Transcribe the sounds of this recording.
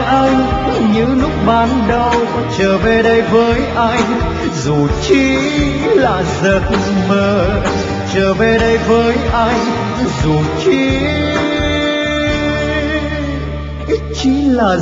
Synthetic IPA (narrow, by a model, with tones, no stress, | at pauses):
ʔa˧jŋkɲɨ˧˥lʊ˦˥k͡p̚ɓaː˨˦nɗə˧w | t͡ɕəː˨˩ve˨˩ɗə˧jvəː˨˦jʔa˧jŋ | zu˨˩t͡ɕi˨˦ | laː˨˩zə˨˩t̚məː˨˩ | t͡ɕəː˨˩ve˧˩ɗə˧jvəː˨˦jʔa˧jŋ | zu˨˩t͡ɕi˨˦ | ʔi˦˥t̚t͡ɕi˨˦laː˨˩